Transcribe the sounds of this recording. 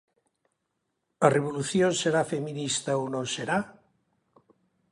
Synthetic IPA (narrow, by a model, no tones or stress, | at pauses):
əreβ̞uluθjonseɾafeminist̪ɐonõnseɾa